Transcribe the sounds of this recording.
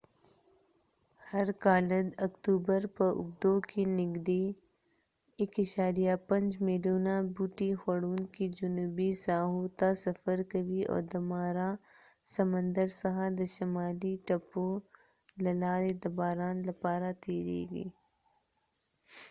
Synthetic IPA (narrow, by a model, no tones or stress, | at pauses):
hɐɾkaːləd̪ɐkt̪uːbəɾpɐʔʊ̰b̚d̪oːkinɪɡd̪e | ɪkɐʃaːɾijapɐ̃nd͡ʒmeluːnabuːʈixɐɽuːnkid͡ʒʊnuːbisaːɦuːt̪asɐfəɾkɐʋiɔ̰ːɾd̪ɐmaːɾasɐmə̃nd̪əɾsɐɦad̪ɐʃɐmaːliʈɐpːo | lɐlaːɾed̪ɐbaːɾãːnlɐpaːɾat̪eːɾḛːɡḭː